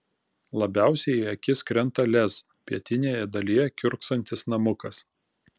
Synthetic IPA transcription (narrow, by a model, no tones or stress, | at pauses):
lˠɐbʲæˑʊsʲɛɪɐkʲɪskɾʲɛnˑt̪ɐlʲɛz | pʲiɛt̪ʲɪnʲeːjɛd̪ɐlʲijɛkʲʊɾksɐnʲt̪ʲɪsnɐmʊkɐs